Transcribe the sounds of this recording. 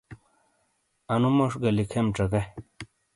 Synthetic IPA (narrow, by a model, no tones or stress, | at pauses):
anumoʂɡɐlikʰemʈ͡ʂɐka